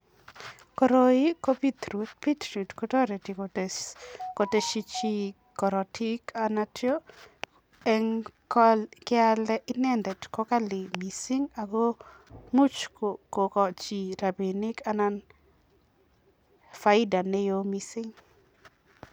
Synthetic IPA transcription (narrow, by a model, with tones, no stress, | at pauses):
kɔ˨ɾoi˦ko˦pi˦t̪ɾu˨t̚pi˦t̪ɾu˨tkɔ˦tɔ˦ɾe˨ti˨kot | ko˨te˦ʃi˦t͡ʃi˦ | kɔ˨ɾɔ˨tʰi˦kanatjo˦ | ɛ˦ŋkɔlkɪ˦alɛ˦ʔɪ˦nɛ˦nd̪ɛ˨tkɔ˦ka˦lɪ˨mi˨si˦ŋa˨ɡo˦ | mu˦t͡ʃkoko˨kɔ˨t͡ʃi˨ɾa˨bi˨ni˦ka˦na˦n | fa˨ɪ˦da˨ne˦jomisi˦ŋ